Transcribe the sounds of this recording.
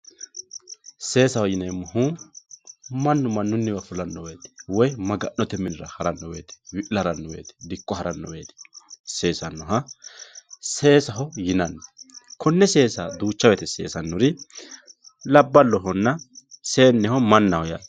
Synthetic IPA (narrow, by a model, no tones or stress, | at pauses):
se̞ːsɐhɔjɪnɛmːʊɦu | mɐnːʊmɐnːʊnːɪbɐfʊlɐnːɔweːt̪ɛ̥wɔjmɐɡɐʔːɔt̪ɛmɪnɪɾɐhɐɾɐnːɔwḛːt̪ɛ̥wɪʔlɐɾɐnːɔwḛːt̪ɛ̥d̪ɪkʼːɔhɐɾɐnːɔ̰weːt̪ɛ̥se̞ːsɐnːɔɦɐ | se̞ːsɐɦɔjɪnɐnːɛkʰɔnːɛse̞ːsɐd̪uːt͡ʃːɐwɛt̪ɛse̞̰ːsɐnːʊɾɪ | lɐbːɐlːɔɦɔnːɐse̞ːnːɛhɔmɐnːɐhɔja̰